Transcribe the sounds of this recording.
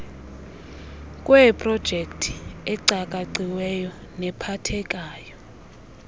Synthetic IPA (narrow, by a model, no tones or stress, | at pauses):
kʼwɛpʼrɔd̥ʒ̥ʱektʰi̥ɛǀakʼaǀiwɛjɔ | nɛpʰatʰɛkʼaːjɔ